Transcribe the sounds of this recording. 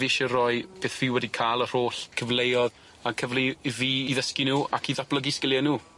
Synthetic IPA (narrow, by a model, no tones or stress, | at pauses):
viʃɛrɔɨb̥eːθviwɛdikʰaːlˠər̥oːɬkʰəvlejɔð | akʰəvliviːðəskinuːakʰiðab̥lˠəɡiskɪljɛnuː